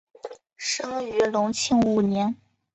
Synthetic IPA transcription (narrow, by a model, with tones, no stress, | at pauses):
ʂɤ˥ŋy˧˥lʊ˧˥ŋt͡ɕʰi˥˩ŋu˧˨˩njɛ˧˥n